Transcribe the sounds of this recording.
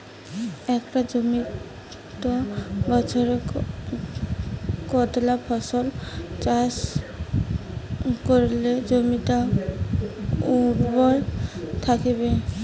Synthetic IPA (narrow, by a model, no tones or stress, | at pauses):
ɛkʈad͡ʑomi | t̪obɔt͡ʃʰɔɾe | kɔt̪lapʰɔsolt͡ɕas | koɾled͡ʑomit̪a | uɾbɔjt̪ʰakebe